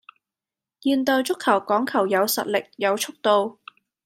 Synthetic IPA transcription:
jiː˨˧nt̪ɔː˧jt͡ʃʊ˥kʰːɐ˨˩wkɔː˨˥ŋkʰɐ˨˩wjɐ˨˧wsɐ̰˨t̚lɪ˨k̚jɐ˨˧wt͡ʃʰʊ˥k̚t̪o˧w

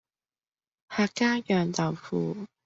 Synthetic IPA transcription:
haː˨˩kːaː˥jœː˨˩ŋt̪ɐ˨˩wfuː˨˩˦

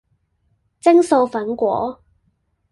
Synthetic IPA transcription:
t͡sɪ˥ŋso˧wfɐ˨˥nkʷɔ̰ː˨˥

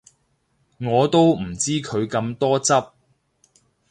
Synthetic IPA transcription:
ŋɔː˨˧t̪o˥wm̩˨˩t͡siː˥kʰɵ˨˧ɥkɐ˧mt̪ɔː˥t͡sɐ˥p̚

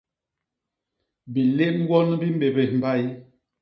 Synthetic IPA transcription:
bi˨le˦ʔm˦ɡwɔ˦n˦bi˦m˦be˨be˨m̩˨ba˦˨i˦

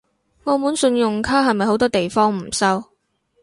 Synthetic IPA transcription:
ŋɔː˨˧muː˨˥nsɵ˧njʊ˨ŋkʰaː˥ɦɐ˨jmɐ˨jho˨˥wt̪ɔː˥t̪e˨jfɔː˥ŋm̩˨˩sɐ˥w

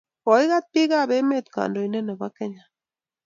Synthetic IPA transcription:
o˨iɣa˦t̪̚piɣabe˦me˦t̪ka̰ndo˨ine˦na˨ba˦keɲa

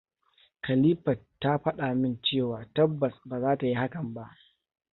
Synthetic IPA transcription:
kɐ˨liː˦ɸɐ˨tːa˦ɸɐ˦ɗa˨mɪ˦nt͡ʃeː˦˨waː˨tɐ˦bːɐ˨sbaː˨zaː˦ta˨ji˦ha˦kɐ˨mba˦ʔ

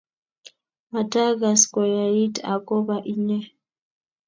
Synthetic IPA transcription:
ma˨ta˦ɣa˨skɔ˨ja˨i˦ta˨kɔ˦ba˦˨ʔi˦ɲɛ˦

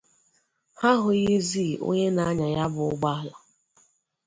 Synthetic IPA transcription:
ha˦ɦʊ˨ji˦zi˦˨ʔo̰˦ɲe˦na˦a˦ɲa˨ja˦bʊ˨ʊ˦ɡ͡ba˦la˨

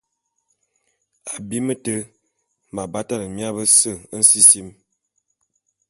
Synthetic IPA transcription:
a˨bi˦mə˦tə˦ | ma˨ba˦ta˦nə˨mja˦bə˦sə˦˨ə˦n̩˦si˦si˦m

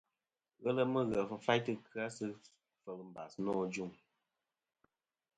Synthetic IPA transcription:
ɣə˦lə˦mə˦ɣə˨˦fa˦jtɨ˦kʰɨ˦a˦sɨ˦ | fə˨lm̩˨ba˨snɔː˦˨d͡ʒu˦˨ŋ

